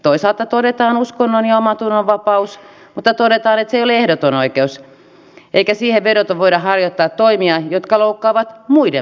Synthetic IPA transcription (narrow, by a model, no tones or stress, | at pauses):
t̪oisɑlt̪ɑt̪odet̪ɑːnuskonːonjɑomɑt̪unːoʋʋɑpɑus | mut̪ːɑt̪odet̪ɑːnet̪seijoleehdot̪onoikeus | ʔeikæsiːheʋʋeɾot̪oʋʋoidɑhɑrjot̪ːɑːt̪toimiɑjot̪kɑloukːɑːʋɑt̪muide